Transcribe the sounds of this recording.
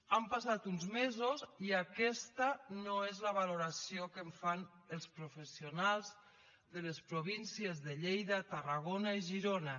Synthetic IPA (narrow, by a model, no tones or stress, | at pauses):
ampasat̪unzmezoziakɛst̪anoezlaβ̞aloɾasiokeɱfan | əlˠspɾofesionalˠz | ðəlespɾoβinsiezðeʎejðat̪araɣ̞onaiʒiɾona